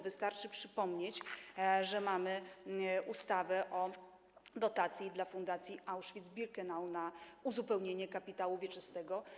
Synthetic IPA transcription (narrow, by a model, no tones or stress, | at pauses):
vɘst̪aɾt͡ʂɘpʂɘpɔmɲet͡ɕʐɛmamɘʔust̪avɛʔɔ | d̪ɔt̪at̪sʲjid̪lafund̪at̪sʲjiʔawʂfʲid̪zbʲiɾkɛnawnauzupɛwɲeɲɛkapʲit̪awuvʲjɛt͡ʂɘst̪ɛɡɔ